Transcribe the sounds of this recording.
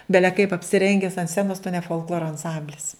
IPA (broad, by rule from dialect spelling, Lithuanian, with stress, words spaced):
ˈbʲæːlʲɛ kɐɪp ɐpʲsʲɪˈrʲɛŋʲɡʲɛs ɐnt ˈsʲt͡sʲæːnoːs tʊ nʲɛ foːlˠˈklˠoːroː ɐnˈsɐmʲbʲlʲɪs